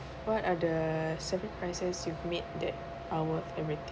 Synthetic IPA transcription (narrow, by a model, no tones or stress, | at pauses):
wɔtadəsɛvə̃npʰɹaɪsəsjuvmet̚dɛt̚ | awəθɛvɹit̪ɪ̃